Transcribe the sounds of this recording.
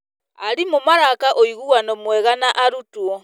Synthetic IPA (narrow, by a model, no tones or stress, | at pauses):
a̰ɾimomaɾakaʔoiɣuanɔmwɛɣanaʔaɾutwɔ